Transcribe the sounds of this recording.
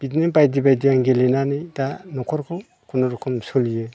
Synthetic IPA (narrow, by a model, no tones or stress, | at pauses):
b̥idnɯbajdibajdijaŋɡelenanɯjdanɔkʰɔɾkʰɯ | kʰunɔɾɔkʰɯmsɯlijɯ